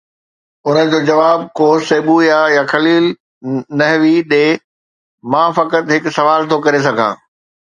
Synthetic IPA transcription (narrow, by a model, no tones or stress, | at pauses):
ʊnəd͡ʑoːd͡ʑɐʋaːbkoːseːɓujajaxʰɐliːl | nɐɦʋiɗeː | mãːfɐkət̪ɦɪkʊsɐʋaːlt̪ʰokɐɾes̬ɐɡʱã̰ː